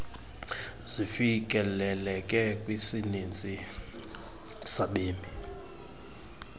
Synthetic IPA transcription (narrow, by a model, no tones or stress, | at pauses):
zifikʼɛlɛlɛkʼɛkʼwisinint͡sʼi | saɓeːmi